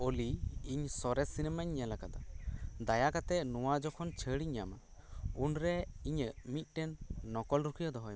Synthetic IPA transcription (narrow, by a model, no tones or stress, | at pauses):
oliːɲsɔɾɛsinɛmaɲːɛlakad̪ɔd̪ajakat̪ɛnuwad͡ʒɔkʰɔnt͡ʃʰəɽiɲːama | unɾɛiɲəʔmit̪̚ˀʈɛnːɔkɔlɾukʰijad̪ɔɦɔj